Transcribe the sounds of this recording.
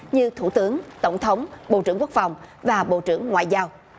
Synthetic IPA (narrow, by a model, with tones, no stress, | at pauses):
ɲɨ˧t̪ʰu˧˩t̪ɨ˨˦əŋt̪ə˧˩wŋ͡mt̪ʰə˨˦wŋ͡mɓo̰˧˨t͡ɕɨ˧˩əŋku˦˥ək̚fa˨˩wŋ͡mvaː˨˩ɓo̰˧˨t͡ɕɨ˧˩əŋːwa̰ː˧˨jzaː˧w